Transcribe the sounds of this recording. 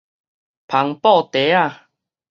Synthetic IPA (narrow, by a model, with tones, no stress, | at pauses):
pʰa˨˦ŋpɔ˥˧t̪e˨˦a˥˧˨